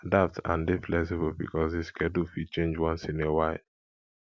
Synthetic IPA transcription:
datã̰ndeflɛksɪbəlbḭkʰɔsiskʰɛdufit͡ʃẽnd͡ʒwɔ̃nsĩnɛwaɪ

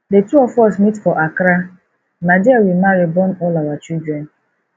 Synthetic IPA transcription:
detuɔfɔsmitfɔʔakɾa | madiawimaɾibɔnɔlawat͡ʃildɾɛ̃n

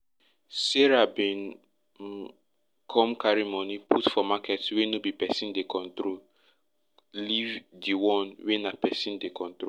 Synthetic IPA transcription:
seɹabĩn | kʰɔ̃mkaɹimɔnipʰutfɔmakɛtwenobipɛsĩndekʰɔ̃ntɾol | livdiwɔ̃nwenapɛsĩndekʰɔ̃ntɾo

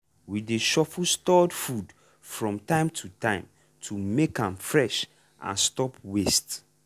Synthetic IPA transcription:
wideʃɔfustɔdfud | fɹɔ̃mtãɪ̃mtʰutʰãɪ̃m | tʰumekãmfɹɛʃ | ʔã̰nstɔpʰwest

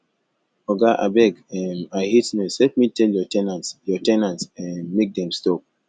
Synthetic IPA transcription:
ɔɡaʔa̰bɛɡɛ̃maɪhitnɔslɛt̚mitʰɛljɔtɛnãntsjɔtɛnãntsɛ̃nmek̚dɛ̃mstɔp̚

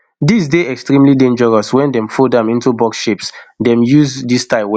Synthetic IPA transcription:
dis̬deɛkstɹĩmlidẽnd͡ʒəɹɔswɛ̃ndɛ̃mfɔdãʊ̃nĩntubɔksʃepsdɛ̃mjuzdistaɪw

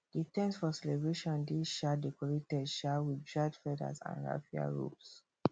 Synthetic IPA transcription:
d̥itɛ̃nsfɔsɛlɛbɹeʃɔ̃ndiʃadɛkɔɹetɛdʃawidd͡ʒad͡ʒfɛda̰sã̰nɹa̰fia̰ɹṵps

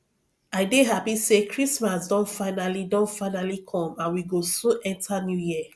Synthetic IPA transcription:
aɪdeɦapisekʰɹismasdɔ̃ntfaɪnalidɔ̃ntfaɪnalikʰɔ̃mãnwiɡosoʔɛ̃ntanjujiə

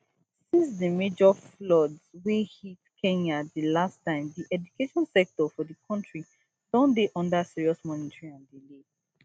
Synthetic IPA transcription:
sĩnsdimed͡ʒɔflɔdzwehitkʰɛ̃ɲadilastãɪ̃mdiʔɛd͡ʒukeʃɔ̃nsɛk̚tɔfɔdikʰɔ̃ntɹi | d̥ɔ̃ndeʔɔ̃ndasiɹiɔsmɔnitʰɹĩãndile

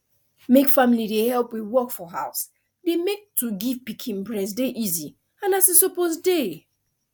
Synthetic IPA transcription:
mekfamilidehɛlpwiðwɔkfɔɦaʊs | demek̚tʰuɡivpikʰĩnbɹɛs̬deʔizi | ãnasesopozde

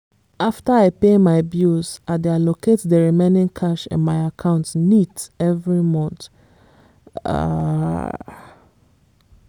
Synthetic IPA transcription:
ʔaftəaɪpemaɪbjusadealokʰetdəɹimẽnĩŋkʰaʃɪ̰̃nmaɪakʰãʊ̃ntnitɛvɹimɔ̃nt | a̰

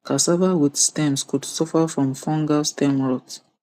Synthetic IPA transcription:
kʰasavawidstɛ̃mskudsɔfafɹɔ̃mfɔ̃ŋɡastʰɛ̃mɹɔt

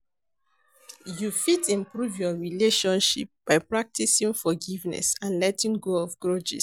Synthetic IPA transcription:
jufitĩmpɹuvjɔɹileʃɔ̃nʃḭp̚b̥aɪpɹak̚tisĩŋfɔɡivnɛ̰sãnlɛtĩŋɡoɔfɡɹɔd͡ʒḭs

